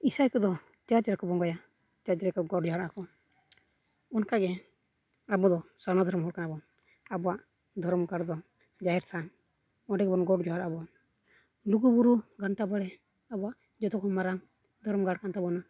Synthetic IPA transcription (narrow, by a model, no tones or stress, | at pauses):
isajkɔd̪ɔ | t͡ʃaɾd͡ʒaɾakɔbɔŋɡɔja | t͡ʃad͡ʒaɾakɔɡɔʈd͡ʒɔɦaɾaakɔ | ɔnkaɡɛ | abɔd̪ɔsanad̪ʱɔɾmɦɔɽkanabɔ | abɔwaʔ | d̪ʱɔɾmɡaɽd̪ɔ | d͡ʒaɦɛɾt̪ʰaŋ | ɔɖɛɡbɔnɡɔʈd͡ʒɔɦaɾʔabɔ | luɡubuɾuɡaɳʈabaɽɛ | abɔaʔ | d͡ʒɔt̪ɔkʰɔmaɾaŋ | d̪ʱɔɾmɡaɽkant̪abɔna